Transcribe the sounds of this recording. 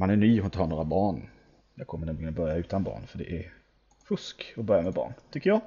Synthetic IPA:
manæɳyːhʊnt̪əhaɳoːɾabɑːɳ | jakʰɔmənɛnɪɡənbœɾjaʉ̟ːt̪anbɑ̰ːɳfœɖɛ̰ʔæɾ | fɵskɔbœɾjamɛbɑ̰ːɳt̪ʰʏkːəjɑː

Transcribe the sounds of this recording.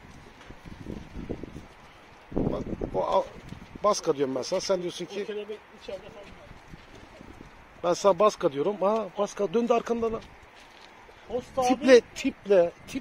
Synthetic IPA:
ba̰oabaskʰad̪ijo̞ɾumbænsanasænd̪ijo̞suncʰi | b̥ænsanabaskad̪ijo̞ɾumabaskad̪ønd̪iaɾkʰand̪ana | tʰiplɛt̪ʰiplʲɛt̪ʰi

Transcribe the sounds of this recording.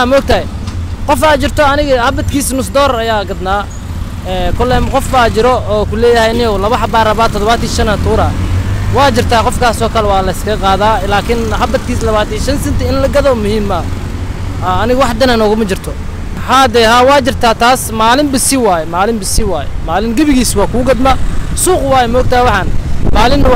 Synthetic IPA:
aːmɔɡ̚t̪ʰɐɦɛ | qɔfaːt͡ʃɪrt̪ʰɔɐnɪɣɐhɐbɐt̪kʰiːsnʊsd̪ɔːɾɐjaːɡɐd̪naː | ɛkʰʊlɛːmqɔfbaːt͡ʃɪɾɔɔːkʰʊlɛːjɐhɛjnɪjɔlɐβɐħɐbaːrɐβaːt̪ʰɔd̪ɔβaːt̪iʃɐnat̪ʰuːɾaːwɑːt͡ʃɪrt̪ʰaːqɔfkʰaːsɔːkʰɐlɛwɑːlɐɪskʰɐqɑːðaːlaːkʰɪnhɐbɐt̪kʰiːslɐβaːt̪iːʃɐnsɪnt̪ʰɐɪnlɐɡɐðɔːmʊhiːmɐ | aɐnɪɣɐwɑħd̪ɐnanɔːɣʊmɐt͡ʃɪrt̪ʰɔ | haːd̪ɛːhaːwɑːt͡ʃɪrt̪ʰaːt̪ʰaːsmaːlɪmbɪsɪwaːjɛmaːlɪmbɪsɪwaːjɛ̰maːlɪnɡɐβɪɣiːswɑːkʰʊʊɡɐd̪mɐsuːqwaːjɛmɔɡ̚t̪ʰawɑħɑːnmaːlɪnːɐ

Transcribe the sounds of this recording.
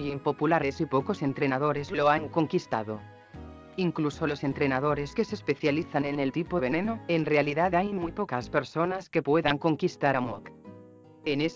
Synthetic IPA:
jempo̞pulaɾesipokose̞nt̪ɾenaðoɾezloaŋko̞ŋkist̪a̰ðo | iŋklusolo̞se̞nt̪ɾenað̞oɾeske̞sespe̞θjaliθanenelt̪ipoβenenoenrealiðaðajmujpokaspe̞ɾsonaske̞pweðaŋko̞ŋkist̪aɾamok | enes

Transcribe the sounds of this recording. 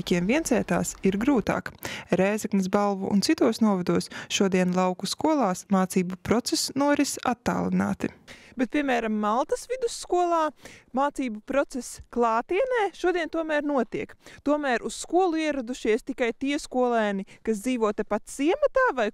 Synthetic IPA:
kʲiɛmviɛnt̪sɛːt̪a̰ːsiɾɡɾuːt̪a̰ːkɾɛːzɛknisbalˠvṵʔṵntsit̪uɔsnuɔvad̪uɔsʃuɔd̪iɛnlˠawkuskuɔlˠaːsmaːt̪siːbupɾɔt̪sɛsnuɔɾisa̰t̪ːa̰ːlˠina̰ːt̪ibɛt̪̚pʲiɛmæːɾamːalˠt̪ɐsʋid̪usːkuɔlˠaːmaːt̪siːbupɾɔt̪sɛsklˠaːt̪iɛnɛːʃuɔd̪iɛnt̪uɔmæːɾnuɔt̪iɛkt̪uɔmæːɾʔusskuɔlˠuiɛɾad̪uʃiɛst̪ikajt̪iɛskuɔlˠɛːnikasd̪ziːʋuɔt̪ɛpat̪z̥iɛmat̪aːvaj

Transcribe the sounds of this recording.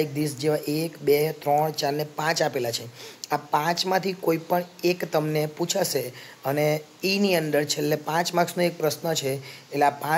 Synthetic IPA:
ik̚d̪isd͡ʒeʋaʔekbet̪ɾəɳt͡ʃaɾnepãt͡ʃapelat͡ʃʰeapãt͡ʃmãt̪ʰikoipəɳekt̪əmneput͡ʃʰaʃeəne | iniənd̪əɾt͡ʃʰelːepãt͡ʃmaksnoek̚pɾəʃnət͡ʃʰeːleapã

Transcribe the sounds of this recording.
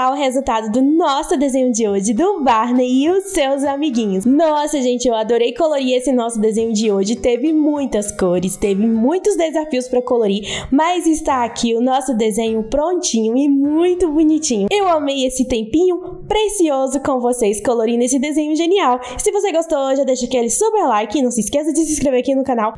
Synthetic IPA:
awʊɦezut̪ad̪ʊd̪ʊnɔsʊd̪ezẽɲʊd͡ʒɪoʒɪd̪ʊbaɾneɪʊsewzamiɡĩɲʊsnɔsɐʒẽnt͡ʃɪewad̪oɾejkoloɾiesɪnɔsʊd̪ezẽɲʊd͡ʒɪoʒɪt̪evɪmũj̃t̪ɐskoɾɪst̪evɪmũj̃t̪ʊzd̪ezafiʊspɾɐkoloɾimɐzɪst̪aːkʰiʊnɔsʊd̪ezẽɲʊpɾõt͡ʃĩɲʊɪmũj̃t̪ʊbunit͡ʃĩɲʊewamejesɪt̪ẽmpĩɲʊ | pɾesiozʊkõvoseskoloɾinesɪd̪ezẽɲʊʒeniaw | sɪvoseɡost̪ooʒad̪ejʃɐkɪelɪsupeɾlajkɪɪnɐ̃w̃sɪskesɐd͡ʒɪsɪskɾeveɾakinʊkãnaw

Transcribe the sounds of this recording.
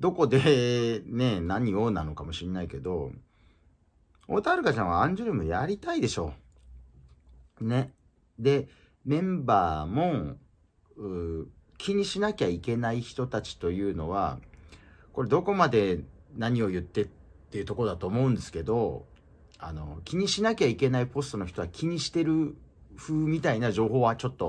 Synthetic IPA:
d̪o̞ko̞d̪e̞ne̞naɲ̟io̞ːnano̞kamo̞ɕinːaike̞d̪o̞ | o̞̰ːt̪aɾɯ̟kat͡ɕãɰ̃βaãɲ̟d͡ʑɯɾɯ̟mɯ̟jaɾʲit̪aid̪e̞ɕo̞ | ne̞ | d̪e̞ | mẽ̞mbaːmo̞ | ɯ | kʲʰiɲ̟iɕinakʲaike̞naiçi̥t̪o̞t̪at͡ɕi̥t̪o̞jɯ̟ːno̞̰βa̰ | ko̞ɾe̞d̪o̞ko̞mad̪e̞naɲ̟io̞jɯ̟t̪ːe̞t̪ː | e̞jɯ̟t̪o̞kod̪at̪o̞ːmo̞ɯ̟̃nd̪e̞sɨ̥ke̞d̪o̞ | ano̞̰kʲiɲ̟iɕinakʲaike̞naipo̞sɨ̥t̪o̞no̞çi̥t̪o̞βakʲʰiɲ̟iɕi̥t̪e̞ɾɯ̟ɸɯ̟ːmʲit̪ainaʑo̞ːɦo̞ːβat͡ɕo̞t̪ːo̞

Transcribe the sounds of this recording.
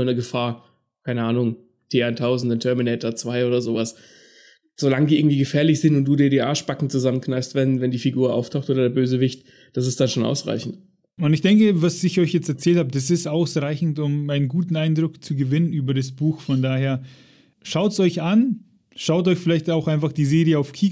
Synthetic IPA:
nəɡəfaːɐ | kʰaɪnəʔaːnʊŋ | d̥eːaɪntʰaʊzn̩dəntʰœɐminɛɪtɐt͡sv̥aɪoːdɐzoːvas | z̥olaŋədiʔɪɡŋ̩tiːɡəfɛːɐlɪçz̥ɪntʊntd̥uːdiɐdiːʔaːʃb̥akŋ̩t͡suzamənkʰnaɪfstv̥ɛn̩vɛndiːfiɡuːɐʔa̰ʊftʰaʊxtʔoːdɐdeːɐbøːzəvɪçt | d̥asɪstd̥anʃoːnʔa̰ʊsʁa̰ɪçn̩t | ʊntɪçd̥ɛŋkəvasɪçɔʏçjɛt͡stɛɐt͡sɛːlthabəd̥as̬ɪstʔaʊsʁaɪçn̩tʊmaɪnənɡuːtn̩aɪndʁʊkt͡suɡəvɪnənyːbɐɾas̬b̥uːxfɔndaːɐheːɐ | ʃaʊtsɔʏçʔan | ʃaʊtɔʏçfɪlaɪçtaʊxʔaɪnfaχd̥iːzeːʁijəaʊfkʰiː

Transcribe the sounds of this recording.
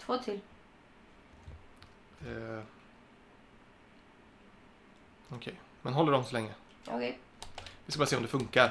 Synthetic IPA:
t̪ʰvoːt̪ʰɪl | ɔkʰɛj | mɛnɦɔlːəɖɔmsɔlɛŋːə | ʔɔ̰kʰɛ | vɪskabɑɾseːɔmd̪ɛfɵŋkaɾ

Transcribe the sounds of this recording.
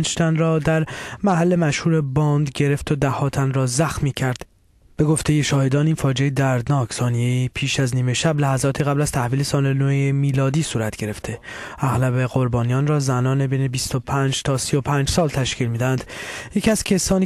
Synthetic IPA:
nd͡ʒt̪ʰænrɒːd̪æɾmæhælːe̞mæʃhuːɾebɒːnd̪ɟe̞ɾe̞ft̪ʰod̪æhɒːt̪ʰænrɒːzæxmiːcʰæɾd̪̥ | b̥e̞ɡo̞ft̪ʰe̞je̞ʃɒːhe̞d̪ɒːniːnfɒːd͡ʒejed̪æɾd̪nɒːkʰsɒːnije̞iːpʰiːʃæzniːme̞ʃæblæhæzɒːt̪ʰiɣæblæz̥t̪ʰæhviːlesɒːlelojemiːlɒːd̪iːsuːɾæt̪ʰɟ̥e̞ɾe̞ft̪ʰe̞ | ʔæɣlæbe̞ɣo̞ɾbɒːnijɒːnrɒːzænɒːnebejne̞bist̪opʰæːnd͡ʒt̪ʰɒːsijopʰæːnd͡ʒsɒːlt̪ʰæʃkcʰiːlmiːd̪æænd̪̥jecʰiæz̥cʰesɒːni

